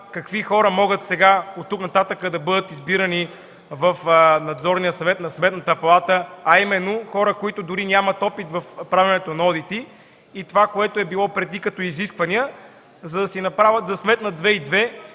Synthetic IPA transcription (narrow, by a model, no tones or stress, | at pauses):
kɐkvixɔɾəmɔɡət̪sɛɡaot̪ːuknɐt̪at̪əkəd̪ɐbɤd̪ət̪izbiɾəni | vɐfnɐd̪zɔɾnijəsɐvɛt̪nɐsmɛt̪nət̪əpɐlˠat̪əɐimɛnːoxɔɾəkoit̪ʊd̪ʊɾinʲamɐt̪ɔpit̪vɐfpɾavʲɐnɛt̪onɐɔd̪it̪iː | t̪ovakoɛt̪oɛbilˠɔpɾɛd̪ikɐt̪ɔiziskvɐniə | zɐd̪ɐsinɐpɾavʲət̪zɐsmɛt̪nɐd̪vɛid̪vɛ